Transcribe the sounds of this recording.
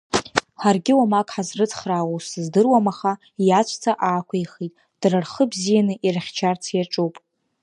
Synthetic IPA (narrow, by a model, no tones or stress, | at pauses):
ħarɡʲɪwamakʼħazrɨt͡sʰχraːwusɨzdɨrwamaχa | jat͡ʃʷʰʼt͡sʰaʔaːkʷʰajχitʼ | d̥rarχəbzijanɨʔiraχʲt͡ʃʰart͡sʰjaʈ͡ʂʼuwpʼ